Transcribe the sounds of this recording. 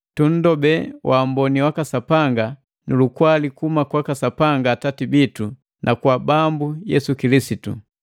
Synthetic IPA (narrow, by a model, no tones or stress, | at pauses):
tun̩dɔbɛwʔam̩bɔniwakasapaŋɡa | nulukwalikumakwakasapaŋɡatatibitu | nʔakwabambujɛsukilisitṵ